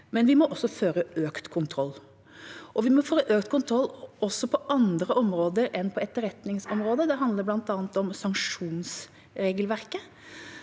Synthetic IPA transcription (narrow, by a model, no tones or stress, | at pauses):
mɛnʋɪmɔʔɔsːɔføːɾəøːkt̪kʰʊnt̪ʰɾɔlː | ʔɔʋɪmɔføːɾəʔøːkt̪kʰʊnt̪ʰɾɔlːɔsːɔpʰɔʔɑnd̪ɾəʔɔmɾoːd̪əɾɛnpʰɔɛt̪ːəɾɛt̪nɪŋsɔmɾoːd̪əd̪ɛɦɑnd̪ləɾblɑnt̪ɑːənt̪ɔmsɑŋkʂuːns | ɾeːɡəlʋæɾkə